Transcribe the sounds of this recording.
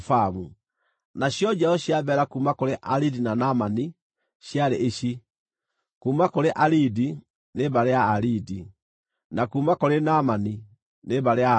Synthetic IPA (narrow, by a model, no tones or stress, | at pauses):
famu | naɕjɔd͡ʒaɔɕjaβɛɾakuːmakoɾeʔaɾidinanamani | ɕjaɾeʔeɕi | kuːmakoɾeʔaɾidi | neβaɾeaːɾidi | nakumakoɾenamani | neβaɾea